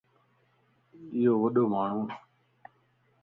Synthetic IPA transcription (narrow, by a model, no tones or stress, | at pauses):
ɪjoːʋəɗoːmaːɳ̤ũː